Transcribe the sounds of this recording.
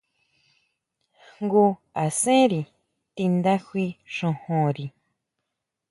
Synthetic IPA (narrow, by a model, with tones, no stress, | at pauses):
ŋɡu˧ | a˨sẽ˦ɾi˨ | t̪i˧nd̪a˦xʷwi˧ʃõ˧hõ˨ɾi˨